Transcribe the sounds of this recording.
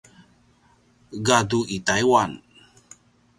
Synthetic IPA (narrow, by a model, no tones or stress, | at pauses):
ɡaduʔitajwan